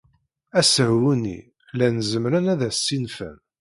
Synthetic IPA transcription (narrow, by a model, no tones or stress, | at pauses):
æsəhwunḭ | lænzəmɾænæðæsːinfæ̰m